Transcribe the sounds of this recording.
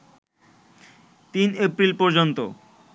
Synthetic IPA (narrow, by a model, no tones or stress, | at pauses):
t̪inepɾilpɔɾd͡ʑont̪o